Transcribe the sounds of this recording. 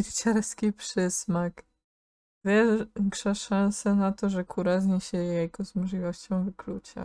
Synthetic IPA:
iɾt͡ɕɛɾskʲipʂɘsmak | vʲɛŋkʂɛʂañsɛnat̪ɔʐɛkʰuɾazɲɛɕɛjɛɡɔzmɔʐlʲivɔɕt͡ɕɔ̃w̃vɘklut͡ɕa̰

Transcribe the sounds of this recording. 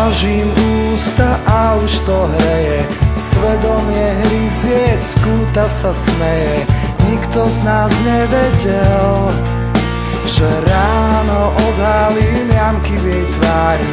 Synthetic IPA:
aʒimuːst̪aʔauʃt̪ɔɦɾɛjɛ | sʋɛd̪ɔmɪɛɦɾizɪɛskuːt̪asasmɛjɛ | ɲikt̪ɔznaːzɲɛʋɛɟɛl | ʒɛɾaːnɔʔɔd̪ɦali | namkiʋɪɛjt̪ʋaːɾ

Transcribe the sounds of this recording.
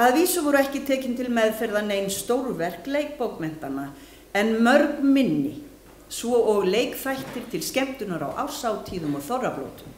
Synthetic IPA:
aðviːsʏvɔɾʏɛhcɪt̪ʰɛːcɪnt̪ʰɪlmɛðfɛɾðaneːjnst̪owɾvɛr̥klejk̚powkmɛn̥t̪ana | ɛnmœɾknmɪnːɪ | svɔʔɔɣleːjkfajht̪ɪɾ̥t̪ʰɪlscɛm̥t̪ʏnaɾa̰wʔa̰wsaːwt̪ʰiːðʏmɔɣθɔrːaplo̰ːwt̪ʏm

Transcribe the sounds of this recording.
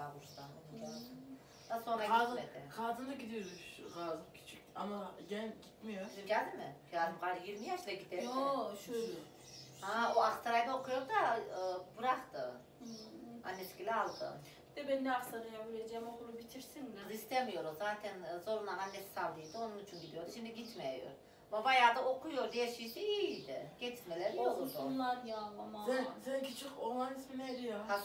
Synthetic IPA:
avuɾst̪ano̰nued̪ | d̪̥aso̞nɾaɡaed̪ɛkʰaːzɯnɯɟid̪ijoɾuʃkazkʰi̥t͡ʃʰi | amajɛɟʲit̪mijoɟælʲd̪imɪkʰaːd̪ɯmɡajiɾmijaʃd̪aɟid̪eoʃøjlʲɛ | aoaxt̪ʰaɾajd̪aokʰujo̞ɾd̪aːbuɾaχt̪ɯ | a̰nːɛt̪cilʲɛalˠd̪ɯ̰ | it̪ɛbɛnd̪ɛaksanɯjabiɾed͡ʒɛmokʰulˠubit̪ʰiɾsinist̪ɛmijoɾozaːt̪ʰɛnzo̞ɾunananːɛssald̪ijd̪ɯo̞nunit͡ʃʰynɟid̪ijo̞ɾd̪uʃimd̪iɟit̪ʰmɛjo̰ɾ | mavajaːd̪aokʰujoɾd̪ɛjɛʃisɛid̪ɛɟɛt̪ʰmelʲɛɾiozuonlˠanjaamazacʰit͡ʃʰokoɾlˠanisilɛɾijaa

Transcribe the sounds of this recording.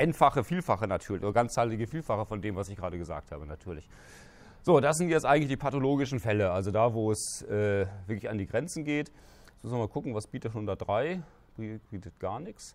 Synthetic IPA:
ʔɛntfaχəfiːlfaχənatʰyːɐlɪçʔoːdɐɡant͡saːlɪɡəfiːlfaχəfɔndeːmvasɪçɡ̥ʁaːɾəɡəza̰ːk̚thaːbənatʰyːɐlɪç | z̥oːdasz̥ɪntjɛt͡stʔaɪɡŋ̩tlɪçdiːpʰatoloːɡɪʃn̩fɛləʔalzodaːvoːɛsʔɛːvɪɐklɪçandiːɡʁɛnt͡sn̩ɡeːt | smʊsmɐnmaːlkʰʊkŋ̩vasb̥iːtətʃoːndaːdʁaɪ | b̥b̥iːtət̚ɡ̥aːɐnɪks

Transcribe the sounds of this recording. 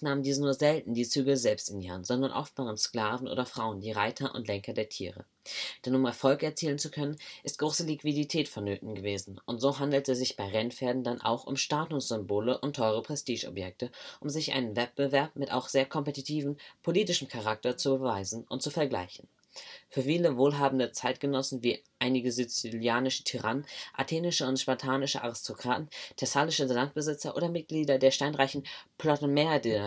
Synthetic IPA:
naːmndiːzənuːɐzɛltn̩diːt͡syːɡəzɛlpstɪniːʁənzɔndɐnʔɔ̰ftb̥aːʁənsklaːvn̩ʔo̰ːdɐfʁ̥aʊəndiːʁaɪtʰɐʔʊ̰ntlɛŋkɐdeːɐtʰḭːʁə̰ | d̥ɛnʊmɛɐfɔlkɛɐt͡siːlənt͡sukʰœnənʔɪst̚ɡ̥ʁoːsəlikv̥iditʰɛːtfɔnːøːtn̩ɡəveːzn̩ʔʊntz̥oːɦandl̩təszɪçb̥aɪʁɛnfeːɐdn̩danʔa̰ʊxʊ̰mʃtaːtʊsz̥ʏmboːləʔʊntʰːɔʏʁəpʁ̥ɛstʰiːʃɔ̰pjɛk̚təʔʊmzɪçʔa̰ɪnənvɛt̚b̥əvɛɐp̚mɪta̰ʊxz̥eːɐkʰɔmpetitʰiːvn̩pʰoliːtɪʃm̩kʰaʁ̞ak̚tɐt͡subəvaɪzn̩ʔʊ̰nt̚t͡sufɛɐɡla̰ɪçn̩ | fyːɐfiːləvoːlɦaːbn̩dət͡saɪt̚ɡ̥ənɔsn̩viːʔaɪnɪɡəzyt͡siljaːnɪʃə̥tʰiʁa̰nənʔa̰tʰeːnɪʃəʊntʃpatʰaːnɪʃə̰ʔa̰ʁɪstʰokʁ̥aːtn̩tʰɛsalɪʃəzzant̚b̥əzɪt͡sɐʔo̰ːdɐmɪt̚ɡ̥liːdɐdeːɐʃtaɪnʁaɪçn̩pʰlɔtmeːdi

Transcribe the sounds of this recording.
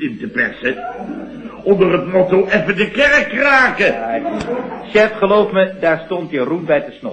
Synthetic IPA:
ɪntəpɛ̰sə | ɔndərətmotowʔɛfədəkɛrəkraːkə | ʃɛfχəlowfmədaːɹstɔntjərumbɛjtəsno

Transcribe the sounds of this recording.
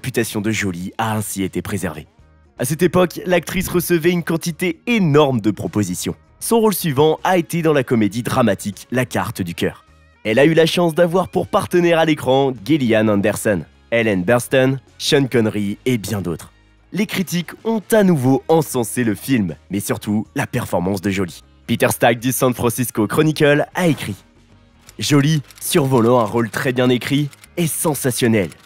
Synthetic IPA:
epyt̪asjɔ̃d̪əʒɔliaɛ̃siet̪epχezɛ̰ʁvḛ | asɛt̪epɔklak̚t̪χisʁəsəvɛynkɑ̃t̪it̪eenɔʁmd̪əpχɔpozisjɔ̰̃ | sɔ̃ʁolsɥivɑ̃ʔaet̪ed̪ɑ̃lakɔmed̪id̪ʁamat̪ʰiklaka̰ʁt̪d̪ykʲœ̰ːʁ | ɛlaylaʃɑ̃sd̪avwaʁpuʁpaʁt̪ənɛʁalekχɑ̃ɡilianɑ̃nd̪ɛʁsɔn | ɛlɛnbɛʁst̪ɔn | ʃɔnkɔnʁiebjɛ̃d̪ot̪χ | lekχit̪ikɔ̃t̪anuvoɑ̃sɑ̃seləfilmmɛsyʁt̪ʰulapɛʁfɔʁmɑ̃sd̪əʒɔli | pit̪ɛʁst̪ak̚d̪ysɑ̃nfχɑ̃siskokχɔnikʲɔlaekχi | ʒɔlisyʁvɔlɑ̃ɛ̃ʁolt̪χɛbjɛ̃nekχiesɑ̃sasjɔnɛl

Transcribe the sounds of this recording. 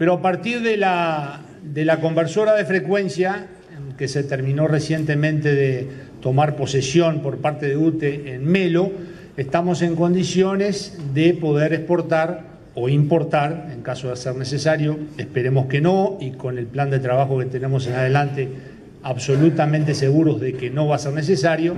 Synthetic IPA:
peɾoapaɾt̪iɾðela | ðelako̞mbeɾso̞ɾaðe̞fɾe̞kwe̞nsja | ekeset̪eɾmĩno̞resje̞nt̪e̞mẽ̞nt̪eðet̪o̞maɾpo̞sesjo̞npo̞ɾpaɾt̪e̞ðeut̪eːnme̞lo̞ | est̪amo̞se̞ŋko̞nd̪isjo̞ne̞sðepo̞ðeɾespo̞ɾt̪aɾ | o̞impo̞ɾt̪aɾe̞ŋkaso̞ðeseɾne̞sesaɾjo̞espeɾe̞mo̞ske̞no̞iko̞ne̞lpland̪e̞t̪ɾaβaxo̞ke̞t̪ene̞mo̞s̬e̞nað̞elant̪e̞ | aβso̞lut̪amẽnt̪e̞se̞ɣuɾo̞zðekeno̞βaseɾne̞s̬esaɾjo̞

